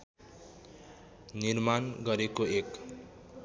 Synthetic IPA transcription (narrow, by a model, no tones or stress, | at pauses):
nirmanɡʌɾekoek